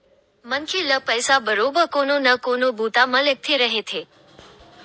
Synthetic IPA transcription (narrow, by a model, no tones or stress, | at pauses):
mənkʰiləpəjsabəɾobəkononəkonobʱut̪amə̃lək̚t̪ʰeɾəɦet̪ʰe